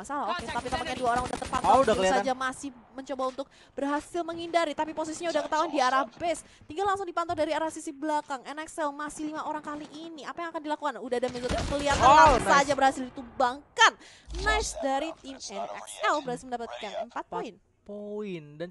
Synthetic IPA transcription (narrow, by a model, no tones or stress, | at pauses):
asalaɦoket̪apit̪apak̚ɲanduaoɾaŋudaht̪ərpant̪ɔudakkəliasad͡ʒamasɪhməɲt͡ʃobaunt̪ʊk̚ | b̥ərɦasɪlməŋindaɾit̪apipos̬isiɲaudahkət̪auandiaɾahbɛs | t̪iŋɡalaŋsʊŋdipant̪̬ɔdaɾiaɾahsisibəlakaŋɛnɛksɛlmasɪhlimaʔoɾaŋkaliʔiniapajaŋakandilakukanudahdamɛzot̪it̪ukəliat̪aasad͡ʒabərhasɪlit̪ubaŋkan | naɪsdaɾit̪imɛnɛksɛlbəɾasiməndapat̪̚ikaŋəmpat̪̚poɪn | poɪndan